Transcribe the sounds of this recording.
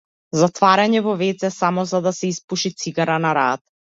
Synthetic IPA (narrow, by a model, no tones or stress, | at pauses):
zat̪vaɾaɲɛvɔvɛt̪sɛsamɔzad̪asɛispuʃit̪siɡaɾanaɾat̪̚